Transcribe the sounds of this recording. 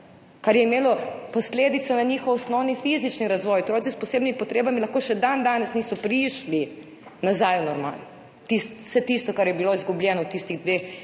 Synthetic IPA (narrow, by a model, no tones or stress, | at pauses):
kaɾjɛimeːlɔpɔsleːd̪it̪sɔnaɲiːxɔwɔsnɔwnifizit͡ʃniɾazʋɔjot̪ɾoːt̪sispɔseːbnimipɔt̪ɾeːbamilɐxkoːʃɛd̪and̪aːnɛsniːsɔpɾiʃli | nazajunɔɾma̰ln | t̪ist̪sɛt̪ist̪ɔkaɾjɛbiloizɡubljɛːnɔt̪ist̪iɣd̪ʋex